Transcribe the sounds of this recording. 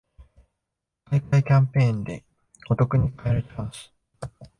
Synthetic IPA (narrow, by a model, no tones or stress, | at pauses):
kaikaikʲãmpẽ̞ːnd̪e̞ | ɡ̥o̞t̪o̞kɯ̟ɲ̟ikʰaeɾaɾet̪ʰemasi̥